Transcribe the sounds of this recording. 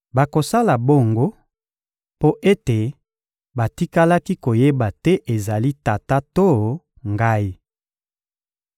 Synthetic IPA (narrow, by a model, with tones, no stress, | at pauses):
ba˨ko˨sa˦la˨bo˦ŋɡo˦ | po˦ʔe˦te˨ | ba˨ti˦ka˦la˦ki˦ko˨je˦ba˨tɛ˦ʔe˨za˨li˦ta˨ta˦to˦ | ŋɡa˦i˦